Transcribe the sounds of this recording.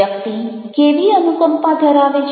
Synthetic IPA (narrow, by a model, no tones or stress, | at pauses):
ək̚t̪i | keːʋiənukəmpãd̪ʱəɾaʋet͡ʃ